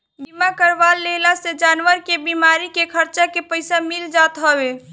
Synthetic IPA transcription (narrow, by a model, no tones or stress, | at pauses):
bimakəɾʋalːelased͡ʒanʋəɾkebimaɾikekʰəɾt͡ʃakepəɪsamild͡ʒat̪ɦəbe